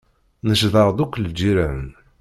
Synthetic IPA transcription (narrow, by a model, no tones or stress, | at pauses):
nəʃðəɾˤd̪ˤukʷːld͡ʒiɾæn